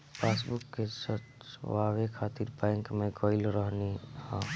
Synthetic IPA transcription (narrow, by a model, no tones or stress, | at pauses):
pʰasbukːesə | waʋekʰat̪iɾpajŋkmekəjlɾəɦnihã